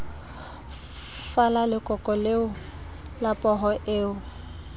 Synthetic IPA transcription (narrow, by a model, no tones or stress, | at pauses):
falalɪkʼɔkʼɔleʊ | lapʼɔɦɔʔeːʊ